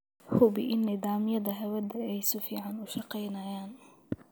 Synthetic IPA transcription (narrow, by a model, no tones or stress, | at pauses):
hʊbɪʔɪnːɪd̪ɑːmɪjɐd̪ɐɦɐwɐd̪ɐɛjsʊfiːʕɑnʊʃɑqɛjnajaːn